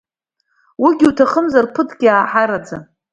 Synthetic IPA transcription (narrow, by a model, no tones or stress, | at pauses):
wiɡʲiutʰaχəmzarpʰɨtʰʼɡʲiaːħaɾad͡za